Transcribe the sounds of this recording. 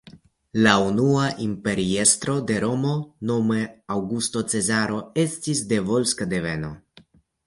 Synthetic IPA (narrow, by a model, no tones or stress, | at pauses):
launuaʔimpe̞ɾiest̪ɾo̞d̪e̞ɾo̞mo̞no̞meawɡust̪o̞t͡se̞zaɾo̞e̞stisde̞vo̞lskad̪e̞ve̞no̞̰